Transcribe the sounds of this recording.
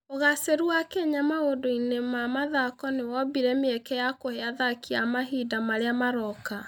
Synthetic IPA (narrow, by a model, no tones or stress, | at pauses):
oɣaseɾuakeɲamaodoinemamaðakɔnewɔbiɾɛmeɛkɛjakoheaðakiamaɦidamaɾeamaɾɔka